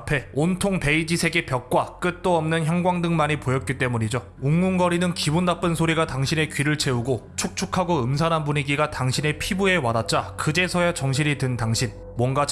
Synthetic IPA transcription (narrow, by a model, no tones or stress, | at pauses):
apʰe̞ontʰoŋpe̞id͡ʑisʰe̞ɡe̞pjʌk̚k͈wak͈ɯt̚t͈oʌmnɯnçjʌŋɡwaŋdɯŋmaɲipojʌt̚k͈it͈e̞muɲid͡ʑo | uŋːuŋɡʌɾinɯnkibunːap͈ɯnsʰoɾiɡataŋɕʰine̞kɥiɾɯɭt͡ɕʰe̞uɡo | t͡ɕʰok̚t͡ɕʰukʰaɡoɯmsʰanɦanbuɲiɡiɡataŋɕʰine̞pʰibue̞wadat̚t͡ɕ͈akɯd͡ʑe̞sʰʌjat͡ɕʌŋɕ̬ʰiɾitɯntaŋɕʰin | mwʌnɡa